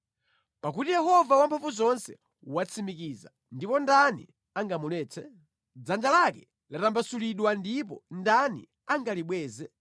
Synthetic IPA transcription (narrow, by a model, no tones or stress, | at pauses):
pak̬utijɛhɔvawampʰafuzɔnsɛ | wat͡sʰimik̬iːza̰ | ndipɔndanḭ | aŋɡamulɛːt͡sʰɛ | d͡zand͡ʒalakɛ | latambasuliɗwandip̬ɔ̰ndanḭ | aŋɡaliɓwɛːzɛ